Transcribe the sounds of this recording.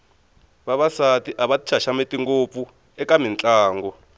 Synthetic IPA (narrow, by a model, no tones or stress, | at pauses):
βaβasatiʔaβati̥t͡ʃʰaʃametʼiŋɡop̪fu | ɛkamint͡ɬʼaːŋɡɔ